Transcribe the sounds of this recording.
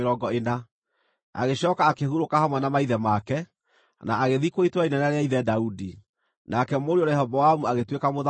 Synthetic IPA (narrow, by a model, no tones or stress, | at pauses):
ɾɔɡɔena | a̰ɣeɕɔːkaːkehuɾokahamwɛnamaiðɛmakɛ | naaɣeðikoitwainɛnaɾeaiðɛdaudi | nakɛmoɾeoɾɛhɔbɔamuaɣetwekamoða